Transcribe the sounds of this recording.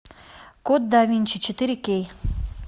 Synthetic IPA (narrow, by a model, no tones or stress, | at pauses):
kot̪̚d̪avʲinʲt͡ʃit͡ʃit̪iɾekej